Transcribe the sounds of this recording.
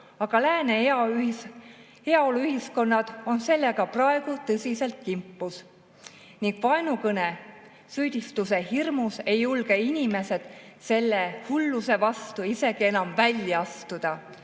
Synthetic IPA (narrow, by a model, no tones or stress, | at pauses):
ɑɡ̥ɑlæːne | eɑoluyɦisko̞nːɑd̪̥o̞nse̞lːe̞ɡ̥ɑprɑe̞ɡ̥ut̪ɤsʲise̞lt̪̚kimpːˑus | niŋɡ̥vɑenukɤne̞ | syːd̪̥ʲist̪use̞hirmuse̞julɡ̥e̞inʲime̞se̞d̪̥se̞lːehulːuse̞vɑst̪uise̞ɡ̥ie̞nɑmvælʲjɑɑst̪ud̪̥ɑ